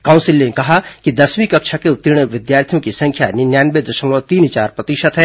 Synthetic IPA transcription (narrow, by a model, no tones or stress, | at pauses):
kãːʊ̃nsɪlnekɐɦakid̪ɐswĩkɐkʃakeʊt̪ːiɾɽ̃əʋɪd̪jaːɾt̪ʰijõkisɐ̃ŋkʰjanɪnjaːnbed̪ɐʃəmlot̪iːnt͡ʃaːɾpɾɐt̪iʃət̪ɦɛː